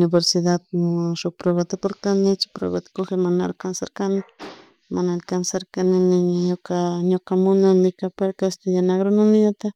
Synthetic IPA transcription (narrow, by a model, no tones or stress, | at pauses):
nɪβeɾsiðat̪̚mʃok̚pɾeβat̪epoɾt̪anɪt͡ʃɪ̥pɾwḛβat̪koxemana̰lkansaɾkanɪ | manalkansaɾkanɪnɪɲɲokaɲokamʊnamɪkapeɾkast̪ajanaɡɾonʊnɪjat̪a